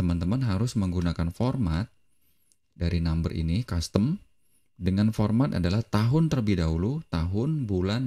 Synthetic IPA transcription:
əmant̪əmanɦaɾʊsməŋɡunakanfɔrmat̪̚ | daɾinambərʔḭnikast̪əm | dəŋanfɔrmat̪a̰dalaht̪aɦʊnt̪ərbidaɦulut̪aɦʊnbulan

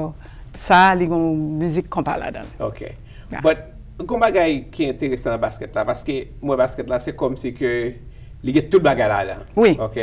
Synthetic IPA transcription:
saliɡɔ̃myzikːɔ̃pa̰la̰dã̰lokʰḛ | bʌt̪̚ | ɡɔ̃baɡajkʰiɛ̃t̪eʁesããbaskɛt̪lapaʁskemwɛ̃baskɛt̪lasɛkɔmsikø | liɡɛ̃t̪ut̪̚baɡajla̰dã̰wioke

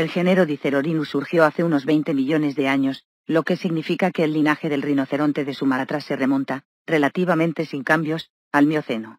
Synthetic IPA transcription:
e̞lxe̞neɾo̞ðiθe̞ɾo̞ɾinusuɾxjo̞aθeuno̞zβe̞jnt̪e̞miʎo̞ne̞zðe̞aɲo̞s | lo̞ke̞siɣnifikake̞ːlːinaxe̞ðelrino̞θe̞ɾo̞nt̪e̞ðe̞sumat̪ɾase̞re̞mõ̞nt̪a | re̞lat̪iβ̞amẽnt̪e̞siŋkambjo̞s | almjoθe̞no

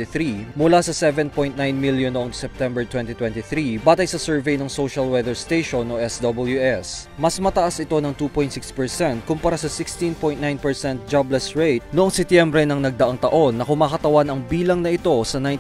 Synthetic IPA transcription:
iθɾimʊlasɐsɛvɛnpo̞jnt̪̚najnmiljonoʔoŋsɛp̚t̪ɛmbɛɹt̪wɛnt̪it̪wɛ̃nt̪iθɾibaːt̪ɐjsɐsɛɹvɛjnɐŋsoʃɐlwɛd̪ɛɹst̪ejʃonʔoʔɛsd̪ɐbɐljuʔɛs | mɐsmɐt̪ɐʔasɪt̪o̞nɐŋt̪upoj̃nt̪sɪkspɛɹsɛnt̪̚kʊmpɐɾasɐsɪkst̪ĩnpojnnajnpɛɹsɛnt̪̚d͡ʒɐblɛsɹejt̪̚noʔoŋsɛt̪jɛmbɾɛnɐŋnɐɡ̚d̪ɐʔaŋt̪ɐʔo̞nːɐkʊmaːkɐt̪ɐwanɐŋbiːlɐŋnɐʔɪt̪o̞sɐnaj

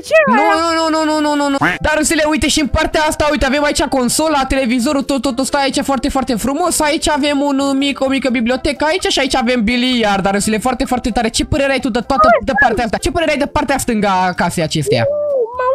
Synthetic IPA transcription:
nunununununununud̪aɾɨsileujt̪eʃiɨnpart̪eaast̪aujt̪eave̞mait͡ʃako̞nso̞lat̪e̞le̞vizo̞ɾut̪ot̪ot̪ost̪aait͡ʃafoart̪e̞foart̪efɾumo̞sait͡ʃʲave̞munmiko̞mikəbiblio̞t̪e̞kəait͡ʃaʃiait͡ʃaave̞mbilijard̪aɾɨsilefoart̪e̞foart̪e̞t̪aɾe̞t͡ʃe̞pəɾeɾeajt̪ud̪ət̪oat̪əd̪əpart̪eaast̪at͡ʃe̞pəɾeeajd̪əpart̪east̪ɨŋɡakase̞jat͡ʃe̞st̪eja̰

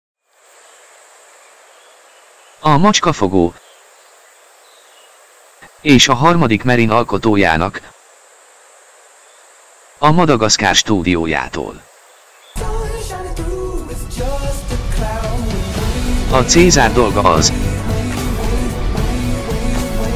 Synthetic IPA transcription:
ɒmɒt͡ʃkɒfo̞ɡoː | eːʃɒɦɒrmɒd̪ikmɛɾinɒlko̞t̪oːja̰ːnɒk | ɒmɒd̪ɒɡɒska̰ːrʃt̪uːd̪ijoːja̰ːt̪o̰ːl | tkʰa | ɒt̪seːzaːrd̪o̞lɡɒɒ̰z

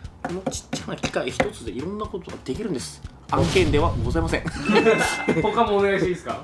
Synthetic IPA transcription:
ko̞no̞t͡ɕi̥t͡ɕːanakʲi̥kaiçi̥t̪o̞t͡sɨd̪e̞iɾõ̞nːako̞t̪oɡad̪̥e̞kʲiɾɯ̟̃nd̪e̞sɨ̥ | ãŋkẽnd̪e̞βaɡɡozaimasẽŋ | hokamozaɕiːsɨ̥ka

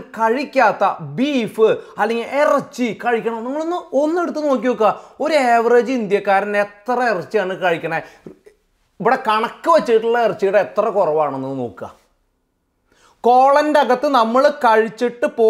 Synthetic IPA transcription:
kɐɻikʲːaːt̪ːɐbiːfɨɐlːeŋɡilʔerɐt͡ɕːikɐɻikʲːɐɳɐmniŋːɐɭonːɨonːe̞ɽut̪ːɨno̞ːk̬ʲːiʋokːɨɣao̞ɾueːʋɐreːd͡ʑɨind̪jɐkːaːɾɐnet̪rɐerɐt͡ɕːijaːɳɨkɐɻikʲːɐɳɐe | iʋiɽekɐɳɐkːɨʋɐt͡ɕːiʈːuɭːɐerɐt͡ɕːijiɽeet̪rɐkurɐʋaːɳenːunːɨno̞̰ːkːɨɣɐ̰ | ko̞ːɭɐndeɐɣɐt̪ːɨnɐmːɐɭkɐɻit͡ɕːiʈːɨpoː

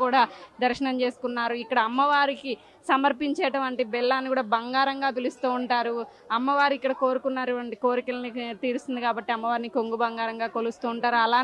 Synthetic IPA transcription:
uːɽaːd̪ɐɾʃɐɳɐmt͡ʃe̞ːsu̥kunːaːɾuikːɐɽɐːmːɐʋaːɾiki | sɐmɐɾpiɲt͡ʃɛːʈɐmɐɳʈeːbɛlːaːnːikuːɽaːbɐŋɡaːɾɐŋɡaːt̪̬elust̪uːuɳʈaːɾu | ɐmːɐʋaːɾuikːɐɽɐko̞ːɾukunːaːɾiʋɐɳʈiko̞ːɾikɐlɐnit̪iːɾust̪und̪ikaːbɐʈːiɐmːɐʋaːɾinikoŋɡubɐŋɡaːɾɐŋɡaːkolust̪uːɳʈaːɾuɐlaː

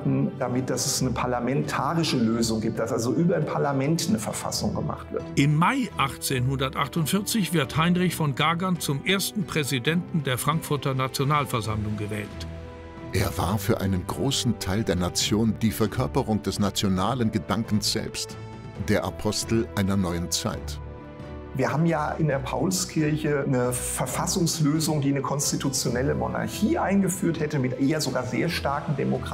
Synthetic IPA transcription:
dn̩d̥amɪt̚d̥asɛsnəpʰaɐlamɛntʰaːʁɪʃəløːzʊŋɡiːp̚td̥asʔalzoʔyːbɐdenpʰaɐlamɛntnəfɛɐfa̰sʊ̰ŋɡəma̰χtv̥ɪ̰ɐtʔɪmːaɪʔaχt͡seːnɦʊndɐtʔaχtʊntfɪɐt͡sɪçv̥ɪɐthaɪnʁɪçfɔnɡaːɡɐnt͡sʊmʔeːɐstn̩pʁ̥ɛzidɛntn̩deːɐfʁ̥aŋkfʊɐtɐnat͡sjonaːlfɛɐzamlʊŋɡəvɛːlt | ʔeːɐva̰ːɐfyːɐʔa̰ɪnənɡʁoːsn̩tʰaɪldeːɐnat͡sjoːnd̥iːfɛɐkʰœɐpəʁʊŋd̥ɛsnat͡sjonaːlənɡədaŋkn̩sz̥ɛ̰lpst | d̥eːɐʔa̰pʰɔstl̩ʔaɪnɐnɔʏənt͡sa̰ɪt | viːɐhaːbm̩jaːʔɪndeːɐpʰa̰ʊlskʰɪɐçənəfɛɐfasʊŋsløːzʊŋdiːnəkʰɔnstitut͡sjonɛləmo̰na̰ɐçiːʔaɪnɡəfyːɐthɛtəmɪtʔeːɐzoɡaːɐzeːɐʃtaɐkŋ̩demokʁ

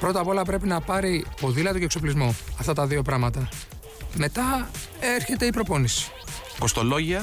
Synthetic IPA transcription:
pɾo̞t̪ɐpo̞lɐpɾe̞pinɐpɐɾipo̞ðilɐt̪oce̞ksoplizmuɐft̪ɐt̪ɐðio̞pɾɐmɐt̪ɐ | me̞t̪ɐ | eɾçe̞t̪e̞ipɾo̞po̞nisi̥ | ko̞st̪o̞lo̞ʝiɐ

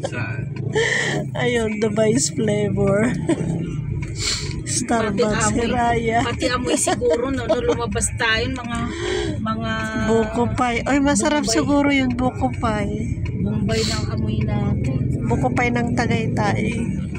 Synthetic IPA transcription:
ʔɐjond̪ɪbajsflɛjbɛɹ | st̪aɾbahɪɾaːjapɐt̪ɪʔɐmosɪɡuɾonɐlolʊmɐbast̪aːjomɐŋa | mɐŋa | buːkʊpajʔojmɐsɐɾap̚sɪɡuːɾojʊnbukʊpajbʊmbajd̪ɐwhɐmʊjnat̪ɪnbʊkʊpajnɐŋt̪ɐɡɐjt̪aʔɪ

